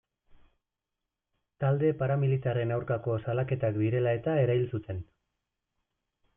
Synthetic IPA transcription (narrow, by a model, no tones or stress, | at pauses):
t̪ald̪e̞paɾamilit̪are̞nawɾkakosalake̞t̪akd̪iɾe̞lae̞t̪ae̞ɾailsut̪e̞n